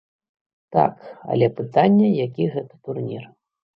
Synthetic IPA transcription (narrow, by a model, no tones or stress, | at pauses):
t̪a̰kɐ̰lʲɛpɨt̪anʲːɛjakʲiɣɛt̪ɐ̥t̪urnʲḭr